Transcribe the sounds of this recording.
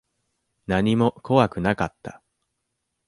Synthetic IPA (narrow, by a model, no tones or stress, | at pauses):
naɲ̟imo̞kʰo̞βakɯ̟nakat̪ːa